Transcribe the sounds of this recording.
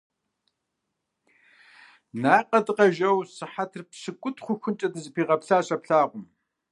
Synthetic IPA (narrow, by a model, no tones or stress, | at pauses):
naːqʼɐdɨqɐʒɐwsɨħatʰɨrpɕɨkʷʼʊtʰχʷʊxʷʊnt͡ʃʼɐdɨzɨpʰiːʁɐpɬaːɕʼɐpɬaːʁʷʊm